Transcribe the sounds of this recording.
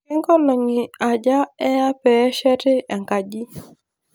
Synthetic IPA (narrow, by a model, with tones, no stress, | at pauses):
ɪ˦ŋɡɔ˦lɔ˨ŋi˨a˨d͡ʒa˦ɛ˦ja˦pɛ˨ɛ˦ʃɛ˦tɪ˦ʔɛ˨ŋka˨d͡ʒi˦